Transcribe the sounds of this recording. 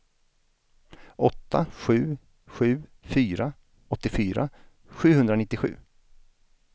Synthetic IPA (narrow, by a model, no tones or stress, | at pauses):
ʔɔt̪ːaɧʉ̟ː | ɧʉ̟ːfyːɾa | ɔt̪ːɪfyːɾa̰ | ɧʉ̟ːhɵnd̪ɾanɪt̪ːɪɧʉ̟̰ː